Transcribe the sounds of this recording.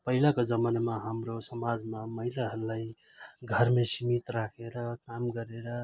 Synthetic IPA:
pəɦilakod͡ʒəmanmaɦamɾosəmad͡ʒmaməɦilaɦəlːai | ɡʱəɾmesimit̪ɾakʰeɾʌkamɡəɾeɾʌ

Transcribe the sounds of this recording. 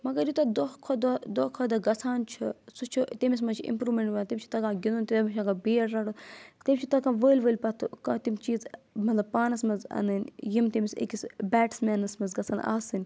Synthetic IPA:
mɐɡɐɾjit̪ɐd̪okʰod̪ɐd̪oːkʰɐd̪ɐɡɐsʰaːnt͡ʃʰisut͡ʃʰit̪emʲis̬mɐt͡ʃʰiḭmpɾuːmeɳʈʋɐnt̪ʲimʲt͡ʃʰi̥t̪ɐkãːɡʲinunʲt̪it̪ːmit͡ʃʰaɡɐbeːɾːaːɽut̪emʲt͡ʃʰit̪ɐkãːʋəːlʲʋəːlʲpɐt̪ʰɨkɐt̪imt͡ʃiːzmɐt̪lɐb̚paːnɐsmɐzɐ̰nɨnʲjimt̪ʲimʲisḛkʲisbʲɛːʈsmɛːnɐsmɐzɡɐsʰaːna̰ːsɨnʲ

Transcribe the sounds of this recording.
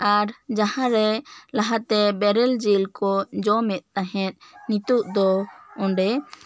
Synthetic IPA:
aɾd͡ʒahãɾɛlaɦat̪ɛbɛɾɛld͡ʒilkɔd͡ʒɔmɛt̪̚ːaɦɛ̃t̪̚nit̪uʔd̪ɔɔ̃ɳɖɛ

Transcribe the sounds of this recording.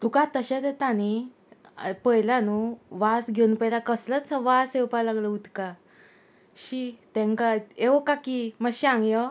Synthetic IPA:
t̪ukat̪əɕet̪et̪añi | pəjlanuʋasɡʱewnpəjlakəslət͡səʋasewpalaɡləut̪ka | ɕit̪ɛ̃ŋkaekakiməɕãŋɡjə

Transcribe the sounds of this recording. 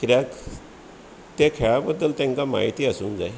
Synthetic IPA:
kɾak | t̪jakʰɭabəd̪əlt̪ɛ̃ŋkama̰ːit̪iəsuːnd͡zae

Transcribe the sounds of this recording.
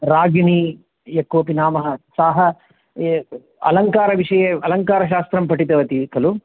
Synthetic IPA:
ɾaːɡini | jɐkːuʋɐpinaːmɐɦɐsaːɦɐ | ɐ̰lɐŋkaːɾɐʋiʂɐjeɐlɐŋkaːɾɐʃaːst̪ɾɐmpɐʈit̪ɐʋɐt̪ikɐlu

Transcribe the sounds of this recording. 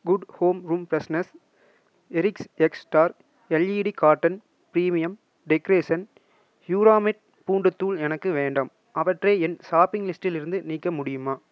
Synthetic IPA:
ɡʊɖhoːmɾuːmpɾɐsnɐs | ɛɾɪksɛksʈaːɾ | ɛlːiːɽikaːʈːɐn | pɪɾiːmɪjɐm | ɖɛkɾeːsɐn | hjuːɾaːmɪʈ̚ | puːɳɖɯt̪ːuːlɛnɐkːɯʋeːɳɖɐm | ʔɐʋɐʈreːɛnsaːpɪŋɡlɪsʈɪlɪɾɯnd̪ɯniːkːɐmʊɽɪjɯmaː

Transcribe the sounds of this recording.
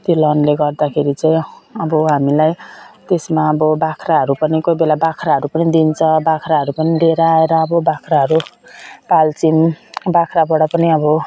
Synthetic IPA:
t̪olʌnleɡʌrd̪akʰeɾit͡saĩʌbʌɦamilajt̪esmaʌbʌbakʰraɦʌɾupʌnikojbelabakʰraɦʌɾupʌnid̪int͡sʰʌbakʰɾaɦʌɾupʌnid̪eɾʌaeɾʌːbʌbakʰraɦʌɾupalt͡simbakʰrabʌɽʌpʌniʌbʌ

